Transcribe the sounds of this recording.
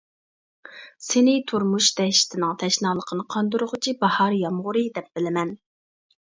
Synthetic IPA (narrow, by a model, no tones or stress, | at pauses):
sɪnɪt̪ʰuɾmuʃt̪ɛʃɪ̥t̪ʰɪnɪŋt̪ʰɛʃnɑːlˠəqʰənɨqʰɑnd̪uɾʊʁʊt͡ʃʰibɑhɑɾjɑmʁʊɾɨd̪ɛp̚b̥ɪlɪmɛn